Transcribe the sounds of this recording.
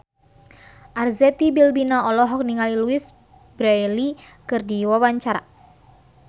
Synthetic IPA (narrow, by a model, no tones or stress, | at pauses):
ʔarzɛt̪ibilbinaɔlɔɦɔk̚niŋaliluis | bɾailikɨrdiwawaɲt͡ʃaɾa̰